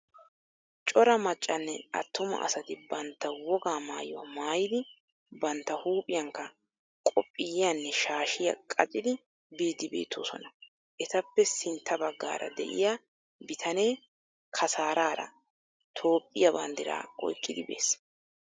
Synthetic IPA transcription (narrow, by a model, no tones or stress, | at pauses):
t͡ʃʼɔɾɐmɐt͡ʃʼːɐnːɛɐ̰t̪ːʊmɐ̰ʔɐ̰sɐt̪ɪbɐnt̪ːɐwɔɡaːmaːjɔwɐ̰maːjɪd̪ɪ | bɐnt̪ːɐhuːpʼɪjɐŋkːɐ | kʼɔpʼːɪjjanːɛʃaːʃɪjɐ̰kʼɐt͡ʃʼɪd̪ɪ | biːd̪ːɪbe̞̰ːt̪ʰːo̰ːsɔ̰nɐ | ʔɛt̪ɐpːɛsɪnt̪ʰːɐbɐɡːa̰ːɾʔɐ̰d̪ɛ̰ʔɪ̰jaː | bɪt̪ʰɐne̞ː | kʰɐsaːɾaːɾɐ̰ | t̪ʰo̞ːpʼːɪjɐbɐnd̪ɪɾa̰ːɔ̰jkʼːɪd̪ɪbe̞̰ːs